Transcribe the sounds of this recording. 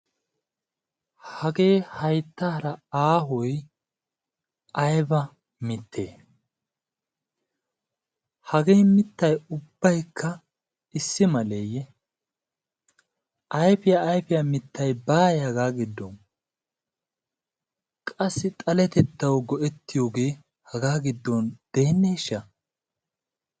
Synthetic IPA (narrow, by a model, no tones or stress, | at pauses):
hɐɡe̞ːhɐjt̪ːaːɾɐaːɦɔj | ʔɐjbɐ | mɪt̪ːḛː | hɐɡeːmɪt̪ːɐjʊb̥ːɐjkːɐ | ɪsːɪmɐlejɛ | ʔɐjfɪjaːjfɪjɐmɪt̪ːɐjbaːjɐɡaːɡɪd̪ːon | kʼɐsːɪt̪ʼɐlɛt̪ɛt̪ːɐwɡɔʔɛt̪ːɪjo̞ːɡe̞ː | hɐɡaːɡɪd̪ːond̪̥e̞ːnːeːʃːɐ